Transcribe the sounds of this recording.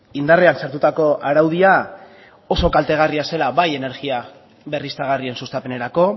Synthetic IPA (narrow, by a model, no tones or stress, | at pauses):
ind̪areansaɾt̪ut̪ako̞aɾawðia | o̞so̞kalt̪e̞ɣ̞ariase̞laβaje̞ne̞ɾɣia | βe̞rist̪aɣ̞arie̞nsust̪ape̞ne̞ɾako̞